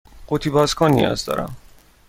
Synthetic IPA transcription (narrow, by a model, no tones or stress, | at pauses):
ɢot̪ʰiːbɒːzkʰɒːnḭjɒ̰zd̪ɒ̰ːɾʔæ̰m